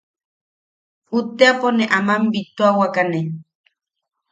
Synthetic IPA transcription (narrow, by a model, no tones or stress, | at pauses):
ut̪eaponeʔamambit̪oawakane